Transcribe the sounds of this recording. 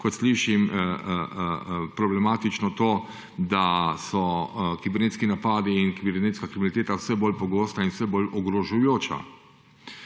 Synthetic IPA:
kɔt̪sliʃim | pɾɔblɛmaːt̪it͡ʃnɔt̪oː | d̪asɔkibɛɾneːt̪skinapaːd̪iːnkibɛɾneːt̪skakɾiminit̪eːt̪awsɛboːlpɔɡoːst̪ainsɛbolɔɡɾɔʒujoːt͡ʃa̰

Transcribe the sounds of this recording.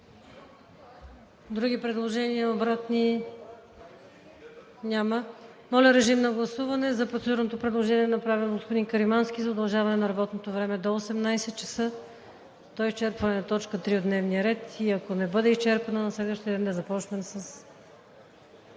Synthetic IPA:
d̪ɾuɡipɾɛd̪lˠoʒɛniəobɾat̪ni | nʲamə | mɔlʲəɾɛʒimnɐɡlˠɐsuvɐnɛzɐpɾot̪sɛd̪uɾnot̪opɾɛd̪lˠoʒɛniɛnɐpɾavilˠɡospod̪inkəɾimansk̟ʲizɐod̪ɐlˠʒavɐnɛnɐɾɐbɔt̪not̪ovɾɛmɛd̪oːsɛmnajsɛt̪̚t͡ʃɐ̥sɤ | t̪ɔist͡ʃɛɾpvɐnɛnɐt̪ɔt͡ʃkət̪ɾiod̪nɛvnijəɾɛt̪iɐkonɛbɤd̪ɛist͡ʃɛɾpɐnənɐslɛd̪vəʃt̪ijəd̪ɛnd̪ɐzɐpɔt͡ʃnɛmsɐs

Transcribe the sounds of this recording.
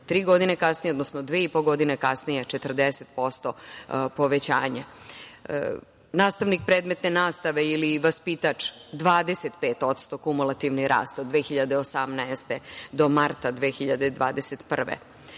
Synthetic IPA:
t̪ɾiːɡo̞d̪inekasnijeod̪nosnod̪ʋeipoɡo̞d̪inekasnijet͡ʂet̪r̩d̪eset̪̚po̞st̪o̞po̞ʋet͡ɕaːɲa̰ | naːst̪aʋnik̚pɾeːd̪met̪ne̞naːst̪aʋe̞iliʋaspit̪at͡ʂd̪ʋaːd̪e̞set̪peːt̪o̞t̪st̪o̞kumulˠat̪iʋniɾa̰ːst̪od̪ʋeːxiʎad̪eosamnaest̪ed̪o̞maɾt̪ad̪ʋexiʎad̪ed̪ʋa̰ːd̪eset̪pr̩ʋḛ

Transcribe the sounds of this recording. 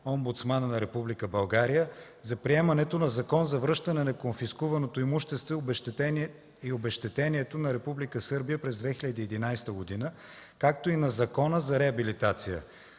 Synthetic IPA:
ombut̪smannɐɾɛpublikəbɐlˠɡaɾijə | zɐpɾiɛmɐnɛt̪onɐzɐkɔnzɐvɾɤʃt̪ənɛnɐkonfiskuvɐnot̪oimuʃt̪ɛst̪vo | iobɛʃt̪ɛt̪ɛniɛt̪onɐɾɛpublikəsɤɾbijəpɾɛzd̪vɛxilʲəd̪iɛd̪inajst̪əɡod̪inə | kak̚t̪oinɐzɐkɔnəzɐɾɛɐbilit̪at̪sijə̰

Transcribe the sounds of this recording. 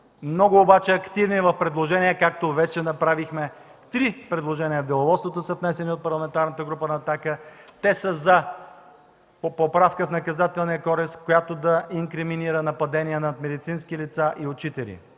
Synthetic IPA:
mnɔɡʊːbat͡ʃɛɐkt̪ivnivɐfpɾɛd̪lˠoʒɛnʲiɛkak̚t̪ovɛt͡ʃɛnɐpɾavixmɛ | t̪ɾipɾɛd̪lˠoʒɛniəvd̪ɛlˠɐvɔt̪st̪vot̪osəfnɛsɛniot̪̚pɐɾlˠɐmɛnt̪aɾnət̪əɡɾupənɐːt̪akət̪ɛsəzɐ | popopɾafkəfnɐkɐzat̪ɛlˠniəkɔɾɛskojat̪od̪ɐʔiŋkɾɛminiɾənɐpɐd̪ɛniɛnɐt̪mɛd̪it̪sinskilit̪saʔiot͡ʃit̪ɛlḭ

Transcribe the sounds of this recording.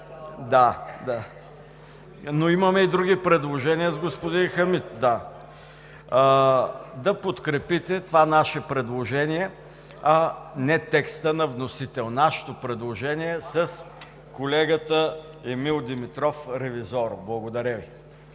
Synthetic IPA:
d̪ad̪a | noimɐmɛid̪ɾuɡʲipɾɛd̪lˠoʒɛniəzɡospod̪inxɐmit̪̚d̪a | d̪ɐpot̪kɾɛpit̪ɛt̪ovanaʃɛpɾɛd̪lˠoʒɛniɛ | ɐnɛt̪ɛkst̪ənɐvnosit̪ɛlˠnaʃɛ̥t̪opɾɛd̪lˠoʒɛniɛsəs | kolɛɡət̪ə | ɛmilˠd̪imit̪ɾɔfɾɛvizɔɾblˠɐɡod̪ɐɾʲəvi

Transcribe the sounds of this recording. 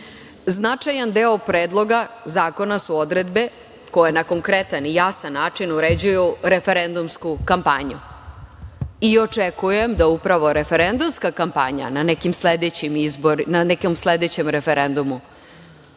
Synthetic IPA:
znat͡ʂajand̪eːopɾeːd̪lˠo̞ɡazaːko̞nasuo̞d̪ɾed̪be̞ | ko̞jenako̞ŋkɾet̪anijasanːaːt͡ʂinuɾed͡ʑujuɾe̞fe̞ɾend̪umskukampaɲu | io̞t͡ʂekuje̞md̪aupɾaʋo̞ɾefe̞ɾend̪umskakampa̰ɲa̰nanekimsled̪et͡ɕimizboɾinanekomsled̪et͡ɕemɾefeɾe̞nd̪umu

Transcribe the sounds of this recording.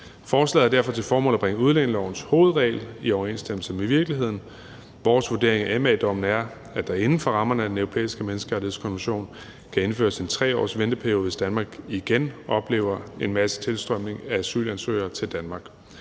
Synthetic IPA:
fɒːslɛ̰ːð̩ˠɐd̥æɐfɒ̽t͡sʰe̝lfɒːmɔ̰̽ːlæb̥aŋəuð̞ˠleŋəlɒʊn̩sho̝ːð̞̩ˠʁɛ̰ɪliɒʊɐe̝nsd̥eml̩səmeʋiɐɡ̥liɦe̝ð̞̰ˠn̩ | ʋɒːsʋuɐd̥e̝ɐeŋæemɛd̥ɒ̽m̰n̩æɐ | æd̥ɑ̈e̝nn̩fɒ̽ʁɑ̈mɐnəæd̥enøʊʁo̝pʰḛːisɡ̥əmenəsɡ̥əʁɑ̈ɾihe̝skʰɒ̽nʋenɕo̝̰ːn | kʰæe̝nfø̰ːɐse̝nt͡sʰʁɛ̰ːɒ̰ːsʋend̥əpʰæɐjo̝ːʋesd̥ænmɑ̈ːɡ̥iɡ̥enʔɒ̽b̥le̝̰ːʊɐe̝nmæsə̥t͡sʰe̝lsd̥ʁɶm̰ne̝ŋææsy̰ːlænsø̰ɪ̰ɐːt͡sʰe̝ld̥ænmɑ̈ːɡ̥

